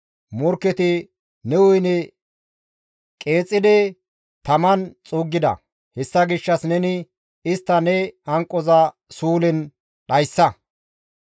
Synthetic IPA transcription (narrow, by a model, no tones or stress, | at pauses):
mʊɾkːɛt̪ɪ | nɛwʊjnɛ | kʼe̞ːt͡sʼːɪd̪ɛ | t̪ɐmɐnt͡sʼuːɡːɪd̪ɐ̰ | hɛsːɐɡɪʃːɐsnɛnɪ | ɪst̪ːɐnɛɐŋkʼːɔzɐ | suːlɪn | ɗɐjsːɐ